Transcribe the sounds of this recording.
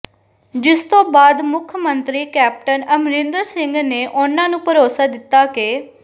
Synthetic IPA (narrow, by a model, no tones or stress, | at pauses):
d͡ʒɪst̪õːbaːd̪mʊkʰəmənt̪ɾiːkɛːp̚ʈənəmɾɪ̃nd̪əɾsɪŋɡneːʔʊnãːnũːpəɾoːsaːd̪ɪt̪ːaːkeː